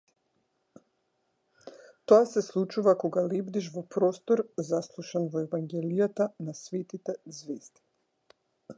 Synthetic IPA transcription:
t̪oasɛslˠut͡ʃuvakɔɡalɛbd̪iʃvɔpɾɔst̪ɔɾzaslˠuʃanvɔɛvaŋɡɛlijat̪anasvɛt̪it̪ɛzvɛsd̪i̥

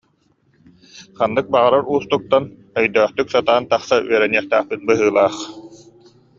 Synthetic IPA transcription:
χanːɯk̚baʁaɾaɾuːst̪uk̚t̪an | œjd̪œːχt̪yksat̪aːnt̪aχsaʔyœɾɛniɛχt̪æːχpit̪̚bɯɦɯːlˠaːχ

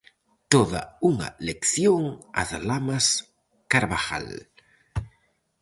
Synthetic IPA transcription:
t̪oða̰uŋa̰lekθjoŋa̰ðlamas | kaɾβaxa̰l

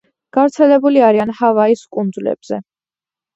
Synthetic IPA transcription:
ɡ̥avɾt̪sʰɛlɛbuliaɾianhavaiskʼund̪zlɛ̰b̥z̥ɛ̰

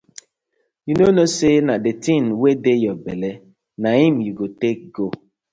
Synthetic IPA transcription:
junonosenadetĩnwedejɔbele | naɦĩmjuɡotek̚ɡo

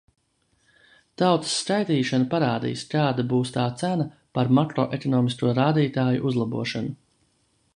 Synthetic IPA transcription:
t̪awt̪ə̥sːkajt̪iːʃanapaɾaːd̪ḭːskaːd̪abuːst̪aːt̪sænɐ | paɾmakɾɔʔɛkɔnɔːmiskuɔɾaːd̪iːt̪aːjṵʔuzlˠabuɔʃanu

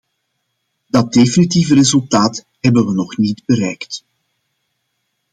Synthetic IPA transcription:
dɑt̚definitivəɾezɵlˠtaːt | ɦɛbənʋənɔχnidbəɾɛjkt

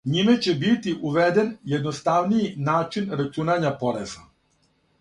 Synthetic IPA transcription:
ɲimet͡ɕe̞bit̪iʔuʋed̪enjed̪nost̪aʋnijinaːt͡ʃinɾat͡ʃunaɲapo̞ɾeza

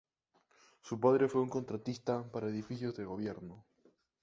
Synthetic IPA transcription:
supað̞ɾe̞fweuŋko̞nt̪ɾat̪ist̪apaɾaeðifiθjo̞zðe̞ɣ̞o̞βje̞ɾno̞

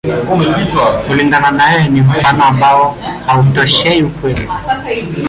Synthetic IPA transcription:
kuliŋɡananajɔnim̩fanɔambaɔhautɔʃɛiukwɛli

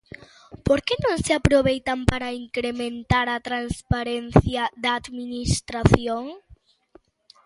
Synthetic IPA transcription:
poɾkenõŋseapɾoβejt̪ɐmpaɾɐiŋkɾemẽnt̪aɾɐt̪ɾanspaɾen̟θjɐðɐːd̪minist̪ɾaθjoŋ

